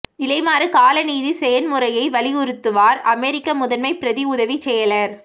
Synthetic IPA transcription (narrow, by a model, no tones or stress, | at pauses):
ɪlɐɪmaːɾɯkaːlɐniːðisɛjɐnmɯɾɐjɐɪʋɐlɪʊɾɯt̪ːɯʋaːɾɐmeːɾɪkːɐmʊðɐnmɐɪpɾɐðiʊðɐʋit͡ʃɛjɐlɐɾ